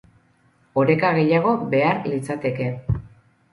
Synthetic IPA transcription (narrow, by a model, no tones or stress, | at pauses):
o̞ɾe̞kaɣe̞jaɣ̞o̞be̞aɾlit͡sat̪e̞ke̞